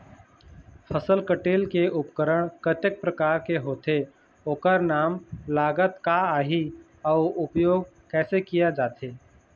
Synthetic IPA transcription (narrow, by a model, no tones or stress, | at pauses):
pʰəsəlkəʈeːlkeʊpkəɾəɽ̃kət̪ək̚pɾəkaːɾkeɦoːt̪e | oːkəɾnaːmlaːɡət̪kaaːɦi | ɔːʊpjoːɡ̚ | kɛːsekijad͡ʒaːt̪eː